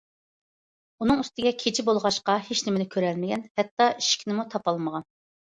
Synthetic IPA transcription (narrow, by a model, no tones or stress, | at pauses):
unɨŋyst̪ɪɡʲɛkʲʰet͡ʃʰɪbolˠʁɑʃqɑheʃnɪmɪnɪkʲʰøɾɛlmɪɡʲɛnhɛt̪ːɑi̥ʃkʲʰinɪmut̪ʰɑpɑlˠməʁɑn